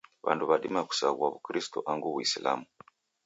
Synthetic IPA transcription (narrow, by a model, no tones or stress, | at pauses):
βa̰nduβaɗimaku̥saɣuaβukɾistɔʔaŋɡuβuisila̰mu